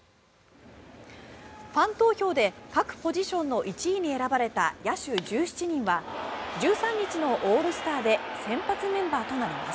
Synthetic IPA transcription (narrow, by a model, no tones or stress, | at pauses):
ɸãnt̪o̞ːço̞ːd̪e̞kakɯ̟̥po̞ʑiɕõ̞nːo̞ʔit͡ɕiːɲ̟ie̞ɾabaɾe̞t̪a̰jaɕɨd͡ʑɨːɕi̥t͡ɕiɲ̟ĩɰ̃βad͡ʑɨːsãɲ̟ːit͡ɕino̞ʔoːɾɯsɨ̥t̪aːd̪e̞sẽ̞mpat͡sɨmẽ̞mbaːt̪o̞naɾʲimas